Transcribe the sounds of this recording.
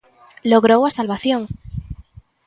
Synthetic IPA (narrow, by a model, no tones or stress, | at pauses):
loɣɾowasalβaθjoŋ